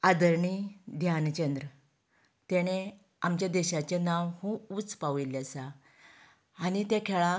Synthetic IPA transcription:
ad̪əɾɳid̪ʱjant͡ɕənd̪ɾə | t̪eɽ̃e | amt͡ɕjad̪ɛɕat͡ɕenawhũut͡spaʋilasa | nit̪ɛkʰɛɭa

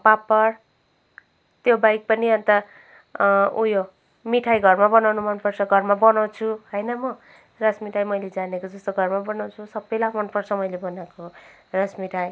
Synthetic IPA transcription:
papʌr | t̪jobajk̚pʌniʌnt̪ʌ | ujo | miʈʰajɡʱʌrmabʌnawnumʌnpʌrt͡sʰʌɡʱʌrmabʌnaw̃t͡sʰuɦʌjnʌmʌ | rasmiʈʰajmʌjled͡zanekod͡zʌst̪oɡʱʌrmabʌnaw̃t͡sʰusʌbelamʌnpʌrt͡sʰʌmʌjlebʌnakorasmiʈʰaj

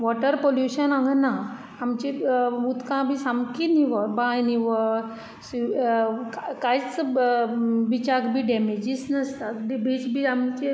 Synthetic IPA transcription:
ʋɔʈəɾpoljuɕənãɡnãː | mt͡ɕeut̪kãbʱisamkiniʋəbajniʋə | sikkajt͡s | ʋit͡ɕaɡbʱiɖɛmed͡ʑisnəst̪ad̪ibʱit͡sbʱiamt͡ɕe

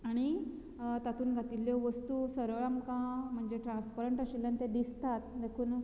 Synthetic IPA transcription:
aɽ̃i | t̪at̪uːnɡʱat̪iljɔʋəst̪usəɾʋɭamkãm̤əɳd͡ʑeʈɾãnspəɾəɳʈaɕilːant̪ẽd̪ist̪at̪̚d̪ekʰuːn

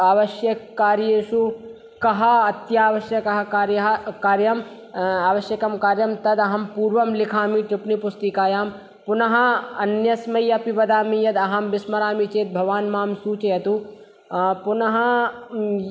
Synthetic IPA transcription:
aːʋɐʃjɐkːaːɾjeːʃu | kɐɦɐɐt̪jaːʋɐʃjɐkɐɦɐkaːɾjɐɦɐkaːɾjɐm | aːʋɐʃjɐkɐmkaːɾjɐmt̪ɐd̪ɐɦɐmpuːɾʋɐmlɪkʰaːmiʈɾɪpnipʊst̪ikaːjaːm | pʊnɐɦɐɐnjɐsmɐjɐpiʋɐd̪aːmijɐd̪ɐɦɐmʋɪsmɐɾaːmit͡ʃeːt̪̚bʱɐʋaːnmaːmsuːt͡ʃejɐt̪u | pʊnɐɦɐ

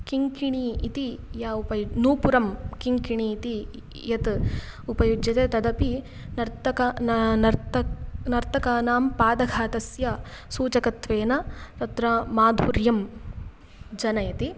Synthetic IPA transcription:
kiŋkiɳiːt̪ijaːupɐjunuːpuɾɐmkiŋkiɳiːt̪i | jɐt̪ | upɐjud͡ʒjɐt̪eːt̪ɐd̪ɐpi | nɐɾt̪ɐkɐnnɐɾt̪ɐnɐɾt̪ʰɐkaːnaːmpaːd̪ɐɡʱaːt̪ɐsjɐsuːt͡ʃɐkɐt̪ʋeːnɐt̪ɐt̪ɾɐmaːd̪ʱuɾjɐm | d͡ʒɐnɐjɐt̪i

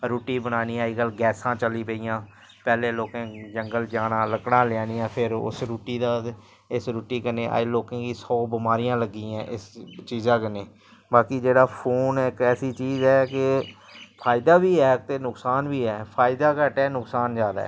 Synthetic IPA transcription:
ɾuːʈiːbənaːniːaːiɡəlɡɛːsãːt͡ʃəliːpəijãː | pɛːleːloːkẽːd͡ʒəŋɡəld͡ʒaːnãːləkɽãːlaːniːãːpʰɪɾʊ̰sɾuːʈiːd̪aː | ɪsɾuːʈiːkəneːʔa̰ːloːkẽːkiːsɔːbɪmaːɾijãːləɡiːãːʔɪst͡ʃiːzãːkəneː | baːkiːd͡ʒeːɽaːpʰoːnːkɛːsiːt͡ʃiːzɛːkɪ | pʰaːɪd̪aːbiːɛːt̪eːnʊksaːnʋiːɛːpʰaːɪd̪aːkəʈɛːnʊksaːnd͡ʒjaːd̪a̰ːɛ̰ː

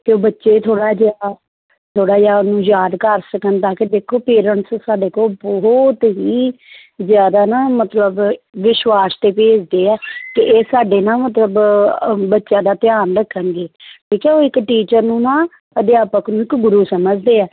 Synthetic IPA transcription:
k̪eoːbətːʃeːt̪ʰoːɽaːd͡ʒaː | t̪ʰoːɽaːd͡ʒaːnũːjaːd̪kəɾsəkənt̪ãːked̪eːkʰːoːpeːɾəɳʈssaːɖeːkoːlbɔɦɔt̪ɦiː | zjaːd̪aːnaːmət̪ləbʋɪʃʋaːst̪eːpeːd͡ʒd̪eːɛːkɪʔeːsaːɖeːnãːmət̪ləb | bətːʃãːd̪aːt̪ɪjaːnɾəkʰːənɡeːʈʰiːkɛːoːɪkʈiːt͡ʃəɾnũːnãː | əd̪ɪjaːpəknũːɪkɡʊɾuːsəməd͡ʒd̪eːɛː

